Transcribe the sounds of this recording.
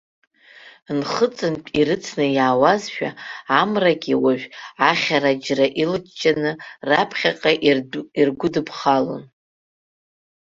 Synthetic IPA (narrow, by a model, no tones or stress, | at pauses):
nχət͡sʼɨntʼiɾɨt͡sʰnɨjaːwazʃᶣaamraɡʲiwaʒᶣaχʲaɾad͡ʒraʔilɨt͡ʃʼanɨrapʰχʲaqʼaʔirɡʷʊdɨpʰχalo̰n